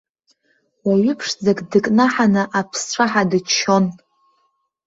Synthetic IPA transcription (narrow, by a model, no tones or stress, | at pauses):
waɥɪpʰʂd͡zaɡʼdɨkʼnaħanɨʔapʰsʈ͡ʂʷʰaħadɨt͡ʃʰːon